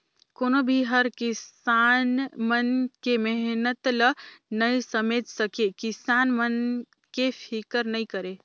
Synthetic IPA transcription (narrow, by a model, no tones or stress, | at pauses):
konobʱiɦəɾkisanmənkemɛɦnət̪lənəjsəmed͡ʒsəkekisanmən | kepʰikəɾnəikəɾe